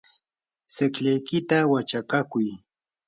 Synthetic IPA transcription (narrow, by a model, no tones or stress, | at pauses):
sɪkʎajkɪt̪awat͡ʃakakʊj